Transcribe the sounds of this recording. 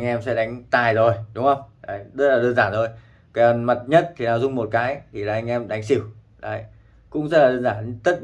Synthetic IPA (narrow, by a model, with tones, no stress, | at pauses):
ŋʔɛ˧msɛ̰˧˥ɗa˨˦jŋ̟t̪aː˨˩jzo˨˩jɗʊ˨˦ŋ͡mhə˧wŋ͡maː˧˩zə˦˥t̚laː˨˩ɗəː˧nzaː˧˩nzo˨˩j | kə˨˩nma˨˩t̚ɲə˦˥t̚t̪ʰi˨˩naː˨˩wzʊ˧ŋ͡mmo˨˩t̚kaː˨˦jt̪ʰi˨˩laː˨˩ʔa˧jŋ̟ʔɛ˧mɗa˨˦jŋ̟si˧˩˦w | la̰ː˧˨j | kʊ̰˧˥ŋ͡mzə˦˥t̚laː˨˩əː˧nzaː˧˩nt̪ə˦˥t̚